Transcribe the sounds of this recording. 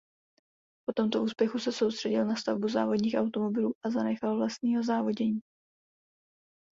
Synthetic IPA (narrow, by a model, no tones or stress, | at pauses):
po̞t̪o̞mt̪o̞ʔuːspjɛxusɛso̞wst̪r̥ɛɟɪlnast̪avbuza̰ːvo̞dɲiːxawt̪o̞mo̞bɪluːʔazanɛxalvlast̪ɲiːɦo̞zaːvo̞ɟɛɲiː